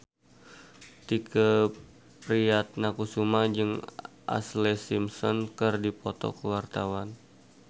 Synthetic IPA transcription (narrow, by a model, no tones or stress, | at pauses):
t̪ikə | pɾiat̪̚nakusumad͡ʒɨŋ | ʔa̰slesimsɔnkɨrdipɔt̪ɔ̰kəwart̪awan